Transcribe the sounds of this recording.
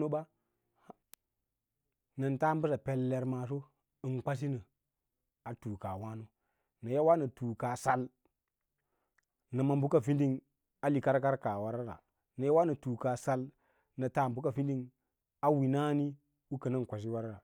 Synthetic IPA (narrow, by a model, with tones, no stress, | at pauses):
o˦ba˦ | na˨nta˦m˦bu˦sa˨pe˨lːe˨ɾma˨s̬o˦ | ɨ˨nka˦s̬i˦nə˨ | a˨tuː˨ka˨wa˦no˦ | na˨ja˦wa˦na˨tuː˨ka˨sa˨l | na˨ma˨mbu˦ka˨fi˦ndi˦ŋ | a˦li˨ka˦ɾka˦ɾka˨wa˦ɾa˦ɾa̰˨ | na˨ja˦wa˦nə˨tuː˨ka˨sa˦l | na˨ta˨mbu˦ka˨fi˦di˦ŋ | a˦wi˨na˦ni˦ | u˦kə˨na˦˨ŋ˨kʷa˨s̬i˦wa˦ɾa˦ɾa˨